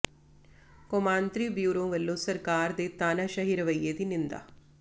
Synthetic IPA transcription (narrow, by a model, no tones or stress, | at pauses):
komaːnt̪ɾibjuːɾoʋelːoːsɐɾkaːɾd̪et̪aːnɐʃɐɦiɾɐʋɐjeːt̪inind̪a̰